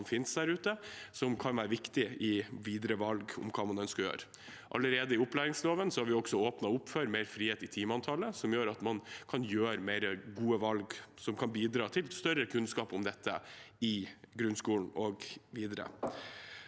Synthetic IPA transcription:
mfɪnsd̪æɾʉːt̪əsɔmkʰɑnʋæːɾəʋɪkt̪ɪɪʋiːd̪ɾəʋɑlɡʊ̰mkʰɑːmɑnɛnskɑjø̰ːɾ | ʔɑ̰lːəɾeːd̪əɪʊplæːɾɪŋsloːʋənsɔhɑɾʋɪɔksɔoːpnɑʊpføːɾmeɪɾfɾiːeːt̪ɪt̪ʰiːmɑnt̪ʰɑːləsɔmjøːɾɑt̪mɑnkʰɑnjøːɾmeɪɾəɡuːəʋɑlɡsɔmkʰɑnbiːd̪ɾɑːt̪ʰɪlst̪œɾəkʰʉnskɑːpɔmd̪ɛt̪ʰːə̰ɪɡɾʉnskuːln̩ɔɡʋiːd̪əɾə̰

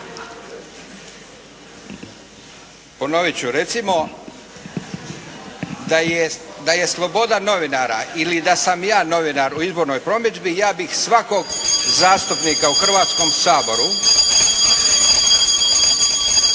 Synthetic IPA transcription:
po̞no̞ʋit͡ɕuɾe̞t̪simo̞ | d̪ajed̪aje̞slˠo̞bo̞d̪ano̞ʋinaːɾa̰ilid̪asamjaːno̞ʋinaɾuizbo̞ɾno̞jpɾo̞mjed͡ʒbijaːbixsʋako̞ɡzaːst̪upniːkauxr̩ʋaːt̪sko̞msaːbo̞ɾu

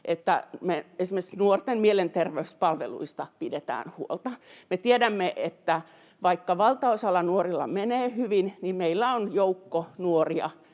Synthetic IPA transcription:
ʔet̪ːæ̰meesimesnuort̪emmielent̪erʋeyspɑlʋḛlṵist̪ɑpidet̪æ̰ːnhuolt̪ɑmet̪iedæmːeʔet̪ːæ | ʋɑikːɑʋɑlt̪ɑosɑlːɑnuorilːɑ̰meneːhyʋinnimmeilːæonjoukːonuoriɑ̰

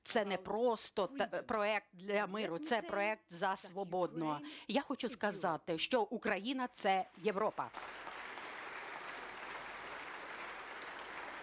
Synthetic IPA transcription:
t̪sɛnɛpɾɔst̪ɔpɾɔɛk̚t̪̚d̪lʲɐmɪɾʊt̪sɛpɾɔɛk̚t̪zɐsʋɔbɔd̪nɔɐjaxɔt͡ʃʊskɐzɑt̪ɪʃt͡ʃɔʔukɾɐjinɐt̪sɛjeʋɾɔpɐ̰

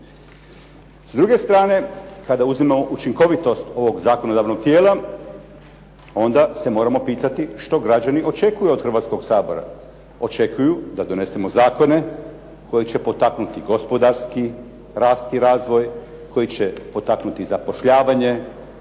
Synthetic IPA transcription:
zd̪ɾuɡe̞st̪ɾaːne̞kad̪auzimamo̞ʔut͡ʃiŋko̞ʋit̪o̞st̪o̞ʋo̞ɡzaːko̞nod̪aːʋno̞ɡ̥̚t̪jeːla | o̞nd̪ase̞mo̞ːɾamo̞piːt̪at̪iʃt̪o̞ɡɾad͡ʒaniʔo̞t͡ʃe̞kujuo̞d̪xrɾʋat̪sko̞ɡsaːbo̞̰ɾa̰ | o̞t͡ʃe̞kujud̪ad̪o̞ne̞se̞mo̞zaːko̞ne̞ | kʰo̞jit͡ɕe̞po̞t̪aknut̪iɡo̞spo̞d̪aɾski | ɾaːst̪iɾaːzʋo̞j | kʰo̞jit͡ɕe̞po̞t̪aknut̪izapo̞ʃʎaːʋaɲe̞

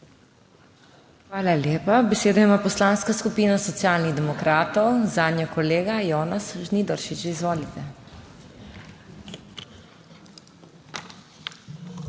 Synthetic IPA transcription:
xʋaːlaljeːpabɛseːd̪ɔjmaːpɔslaːnskaskupiːnasɔt̪sjaːlniɣd̪ɛmɔkɾaːt̪ɔwzaːd̪nʲjɔkɔleːɡajɔːnasʒnid̪ɔɾʃit͡ʃizʋoːlit̪ɛ

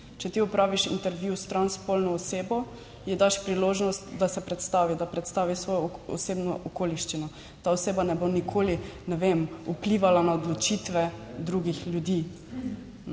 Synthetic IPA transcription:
t͡ʃɛt̪iɔpɾaːʋiʃḭnt̪ɛɾʋjust̪ɾanspolnɔːseːbɔ | jɛd̪aʃpɾiloːʒnɔst̪d̪asɛpɾɛt̪st̪aʋid̪apɾɛt̪st̪aːʋisʋoːjɔɔ̰seːbnɔʔɔkoːliʃt͡ʃinɔ | t̪aɔseːbanɛbonikʰoːlinɛʋemupliːʋalanaɔd̪lɔt͡ʃit̪ʋɛd̪ɾuɡixljud̪iː

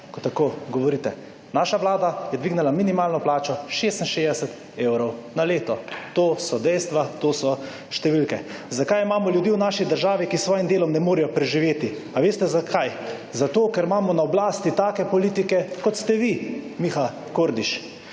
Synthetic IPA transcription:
kɔt̪ːakoɡɔʋɔɾiːt̪ɛ | naːʃaʋlaːd̪ajɛd̪ʋiːɡnalaminimaːlnɔplaːt͡ʃɔʃest̪n̩ʃezd̪ɛsɛt̪ | ewɾɔwnaleːt̪ɔt̪oːsɔd̪ɛjst̪ʋat̪oːsɔ | ʃt̪ɛʋilkɛzakajimaːmɔljud̪iːwnaːʃid̪əɾʒaːʋikisʋɔːjimd̪eːlɔmnɛmoːɾijɔpɾɛʒiʋeːt̪i | aʋeːst̪ɛzakʰaj | zat̪oːkɛɾmaːmɔnaɔblaːst̪it̪aːkɛpɔliːt̪ikɛkɔt̪st̪ɛʋimixa | koːɾd̪iʃ

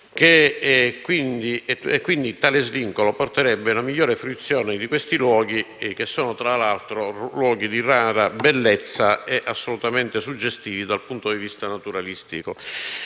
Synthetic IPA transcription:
k̟ekːwind̪iɛɛkːwind̪it̪aːlezviŋkoloport̪eɾɛbːeunamiʎːɔːɾefɾit̪sːjɔːned̪ikwest̪ilwɔːɡ̟i | k̟esːɔːnot̪ɾalalt̪ɾolwɔːɡid̪iraːɾabɛlːet̪sːaɛʔasːolut̪ament̪esud͡ʒːest̪iːvid̪alpunt̪od̪ivist̪anat̪uɾalist̪iko

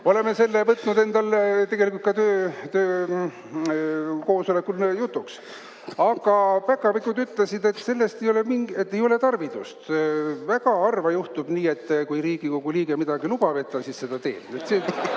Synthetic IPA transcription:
o̞le̞mese̞lːevɤt̪nud̪e̞nd̪ɑlt̪e̞ɡe̞likult̪̚kɑt̪øːt̪øː | ko̞ːsolekːˑulnjut̪ːˑuks | ɑɡ̥ɑpækːˑɑvikːˑud̪yt̪ˑlesid̪e̞t̪ːse̞lːe̞st̪e̞jo̞lemiŋɡet̪ːe̞jo̞le̞t̪ɑrvid̪ust̪væɡ̥ɑɑrvɑjuht̪ub̥niːe̞t̪ːkujɾiːɡ̥ikoɡ̥uliːɡ̥emid̪ɑɡ̥ilub̥ɑve̞t̪ːˑɑsisse̞d̪̥ɑt̪e̞̰ːnet̪se

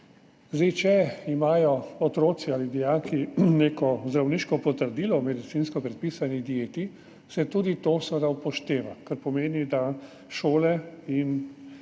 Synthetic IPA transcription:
zd̪et͡ʃɛimaːjɔɔt̪ɾoːt̪sialid̪ɛjakineːkɔzd̪ɾawniːʃkɔpɔt̪əɾd̪ilɔmɛd̪it̪sinskɔpɾɛt̪̚pisanid̪jeːt̪i | sɛt̪uːd̪it̪osʋəd̪aupɔʃt̪eːʋakaɾpɔmeːnid̪a | ʃoːlɛin

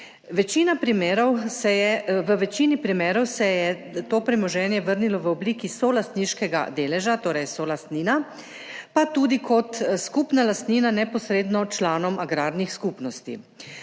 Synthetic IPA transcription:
ʋɛt͡ʃiːnapɾimeːɾɔwsɛjɛʋəʋɛt͡ʃiːnipɾimeːɾɔwsɛjɛt̪oːpɾimɔʒɛːnjɛʋəɾnilɔʋəɔbliːkisolast̪niʃkɛɡa̰d̪eːlɛʒat̪oːɾɛjsɔlast̪niːna | pat̪ud̪ikʰɔt̪skupnalast̪niːnanɛpɔsɾeːd̪nɔt͡ʃlaːnɔmaɡɾaːɾnixskuːpnɔst̪ḭ

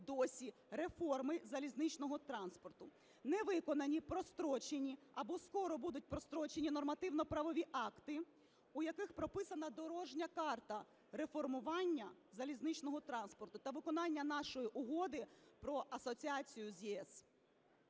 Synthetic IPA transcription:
d̪ɔsʲi | ɾe̞fɔrmɪzɐlʲiznɪt͡ʃnɔɦɔt̪ɾɑnspɔrt̪ʊ | nɛʋɪkɔnɐnʲipɾɔst̪ɾɔt͡ʃenʲiɐbɔskɔɾɔbud̪ʊt̚ʲpɾɔst̪ɾɔt͡ʃenʲinɔrmɐt̪ɪwnɔpɾɐʋɔʋʲiʔɑkt̪ɪ | ujɐkɪxpɾɔpɪsɐnɐd̪ɔɾɔʒnʲɐkɑrt̪ɐ | ɾe̞fɔrmʊʋɑnʲːɐzɐlʲiznɪt͡ʃnɔɦɔt̪ɾɑnspɔrt̪ʊt̪ɐʋɪkɔnɑnʲːɐnɑʃɔjiʔʊɦɔd̪ɪpɾɔʔɐsɔt͡sʲiɑt͡sʲijʊzʲjiɛs

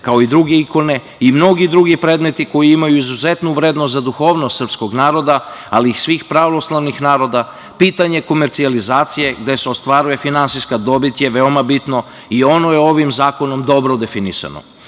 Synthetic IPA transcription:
kao̞id̪ɾuɡe̞iko̞ne̞ | imno̞ɡid̪ɾuɡipɾe̞ːd̪me̞t̪iko̞jiimajuizuze̞t̪nuʋɾeːd̪nost̪zad̪uxo̞ːʋnost̪sr̩psko̞ɡnaːɾo̞d̪aaliːsʋiːxpɾaʋo̞slˠaʋnixnaːɾo̞d̪a | piːt̪aɲe̞ko̞meɾt̪sializaːt̪sije̞ɡd̪e̞seo̞st̪ʋaɾuje̞finansijskad̪o̞bit̪je̞ʋe̞omabit̪no̞ | io̞no̞jeo̞ʋimzaːko̞no̞md̪o̞bɾod̪e̞finisa̰no̰

